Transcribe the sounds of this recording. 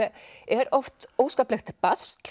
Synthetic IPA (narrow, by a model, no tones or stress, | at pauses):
ɛɾɔft̪oːwskaːplɛxt̪ʰɪlpast̪